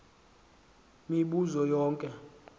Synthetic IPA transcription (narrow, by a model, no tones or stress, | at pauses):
miɓuzɔjɔːŋkʼɛ